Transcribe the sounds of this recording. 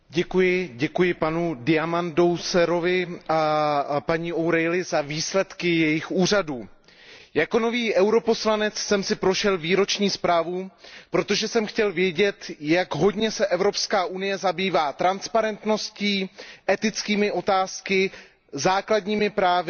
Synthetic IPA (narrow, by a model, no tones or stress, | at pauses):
ɟɛkujɪɟɛkujɪpanudɪamando̞wsɛɾovɪʔapaɲiʔowɾɛjlɪzaviːslɛt̪kɪjɛjɪxʔuːr̝aduː | jako̞no̞viːʔɛwɾo̞po̞slanɛt͡ssɛmsɪpɾo̞ʃɛlviːɾo̞t͡ʃɲiːspɾaːvupɾo̞t̪o̞ʒɛsɛmxcɛlvjɛɟɛt̪jaɡɦo̞dɲɛsɛʔɛvɾo̞pskaːʔunɪjɛzabiːvaːt̪ɾanspaɾɛnt̪no̞sciːʔɛt̪ɪt͡skiːmɪʔo̞t̪aːskɪ | zaːkladɲiːmɪpɾaːvɪ